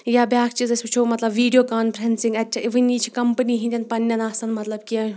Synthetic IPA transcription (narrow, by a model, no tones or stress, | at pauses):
jaːbʲaːkt͡ʃizɐsʲbit͡ʃʰoːmɐt̪lɐbʋiːɖijoːkaːnpʰɾɐnsĩŋɡɐtʲːʰɐʔiʋɨnʲiːt͡ʃʰikɐmpəniːɦĩnʲd̪ʲɐnpɐnːjɐnaːsɐnmɐt̪lɐbkiɐ